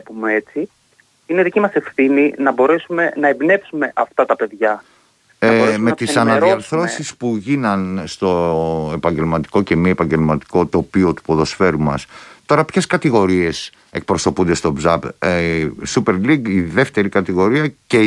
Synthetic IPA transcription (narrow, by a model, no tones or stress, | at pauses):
pumeet͡si | ineðicimɐse̞fθininɐbo̞ɾe̞sume̞nɐebne̞psume̞ʔɐft̪ɐt̪ɐpe̞ðʝɐ | ɐbboɾeme̞t̪isɐnɐðiɐɾθɾo̞sispuʝinɐnst̪o̞e̞pɐɲɟe̞lmɐt̪i̥ko̞ce̞miepɐɲɟe̞lmɐt̪i̥ko̞t̪o̞pio̞t̪u̥po̞ðo̞sfe̞ɾumɐst̪o̞ɾɐpçe̞skɐt̪iɣo̞ɾie̞s | e̞k̚pɾo̞so̞pund̪e̞st̪o̞bzɐb | supe̞ɾliɡiðe̞ft̪e̞ɾikɐt̪iɣo̞ɾiɐce